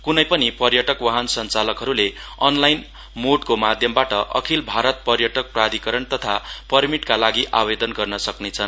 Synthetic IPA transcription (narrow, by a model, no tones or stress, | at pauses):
kunʌjpʌnipʌrjʌʈʌkwaɦʌnsʌnt͡salʌkɦʌɾuleʌnlajn | moɖkomad̪ʱjʌmbaʈʌʔʌ̰kʰilbʱaɾʌt̪̚pʌrjʌʈʌk̚prad̪ʱikʌɾʌnt̪ʌt̪ʰapʌrmiʈkalaɡiʔa̰bed̪ʌnɡʌrnʌsʌknet͡sʰʌn